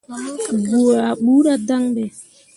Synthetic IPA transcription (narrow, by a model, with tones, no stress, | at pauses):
ɡu˨a˨ɓu˦ɾa˦da˦ŋɗɛ˨